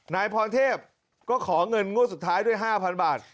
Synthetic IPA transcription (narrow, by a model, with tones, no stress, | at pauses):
naː˧jpʰɔː˧nt̪ʰeː˥˩p̚ | kɔː˥˩kʰɔː˩˦ŋɤ˧nŋu˥˩s̬u˨˩t̪ʰːaː˦˥jdu˥˩əjɦaː˥˩pʰa˧nbaː˨˩t̪̚